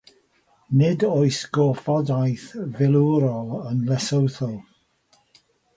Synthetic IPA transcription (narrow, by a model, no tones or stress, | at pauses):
nɪdojsɡ̥ɔfɔdajθvɪlˠuɾɔlˠənlɛsəwθɔlˠ